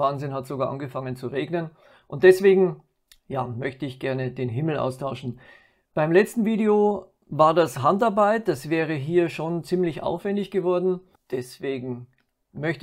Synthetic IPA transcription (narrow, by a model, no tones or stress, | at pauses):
aːnzɪnhatz̥oɡaːɐʔanɡəfaŋənt͡suʁeːɡnən | ʔʊnt̚d̥ɛsv̥eːɡŋ̩ | jaːmœçtəɪçɡ̥ɛɐnəd̥eːnɦɪml̩ʔa̰ʊstʰaʊʃn̩ | b̥aɪmlɛt͡stn̩viːdeo | vaːɐdasɦantaɐbaɪt̚d̥asv̥ɛːʁ̞əɦiːɐʃoːnt͡siːmlɪçʔa̰ʊfv̥ɛndɪçɡ̥əvɔɐdn̩ | d̥ɛsv̥eːɡŋ̩ | mœçt